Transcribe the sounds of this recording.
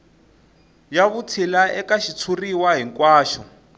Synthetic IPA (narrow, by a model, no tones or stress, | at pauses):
jaβutʰilaʔɛkaʃit͡sʰuriwaɦiŋkwaːʃɔ